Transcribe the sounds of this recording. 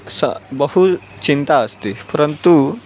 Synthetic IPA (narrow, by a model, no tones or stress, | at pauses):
sə̰bəhut͡ɕint̪aəst̪ipɐɾənt̪u